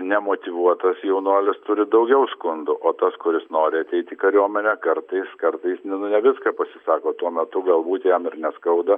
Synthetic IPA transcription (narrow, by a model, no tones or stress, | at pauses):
nʲɛmoːt̪ʲɪʋuɔt̪ɐsjɛʊnuɔlʲɪst̪ʊɾʲɪd̪ɐʊɡʲɛʊskʊnd̪ʊʔoːt̪ɐskʊɾʲɪsnoːɾʲɪɐt̪ʲɛɪt̪ʲikɐɾʲuɔmʲɛnʲɛkɐɾt̪ɐɪskɐɾt̪ɐɪsnʲɛnʊnʲɛʋʲɪskɐpɐsʲɪsɑːkoːt̪uɔmʲɛt̪ʊɡɐlˠbuːt̪jɛmɪɾnʲɛskɐʊd̪ɐ